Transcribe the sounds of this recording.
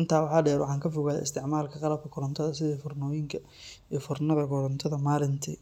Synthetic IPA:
ʔɪnt̪ʰaːwɑħɑːɖɛːɾwɑ̰ħɑːŋkʰɐfʊɣaːj̰ɪst̪ʰɪʕmaːlkʰɐqɑlɐb̚kʰɐkʰʊɾɔnt̪ʰɐðɐsɪðiːfʊrnɔːjɪŋkʰɐ | iːfʊrnɐðɐkʰɔɾɐnt̪ʰɐðɐmaːlɪnt̪ʰḭ

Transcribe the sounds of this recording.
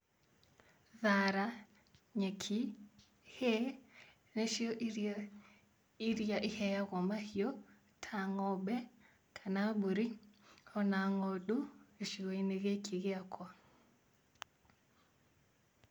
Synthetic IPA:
ðaɾa | ɲekʰi | hɛ | neʃiɔʔiɾ | iɾjaʔihɛjaɣɔmahiɔ | tʰaŋɔbɛ | kʰanabuɾiɔnaŋɔɗueʃiɣɔeneɣekʰiɣeakwa

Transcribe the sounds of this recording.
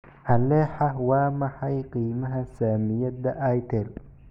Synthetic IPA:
hɐlɛːħɑwɑːmɑħɑjqiːmɐɦɐsaːmɪjɐdɐʔɐjt̪ʰɛl

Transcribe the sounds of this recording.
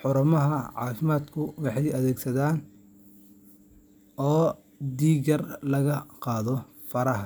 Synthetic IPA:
ħʊɾʊmɐɦɐʕɑ̰ːfɪmaːd̪kʰʊwɑħɑjɐðɛːɡsɐðaːn | ɔː | d̪iːɣɐrlɐɣɐqɑːðɔ | fɐɾɐɦɐ

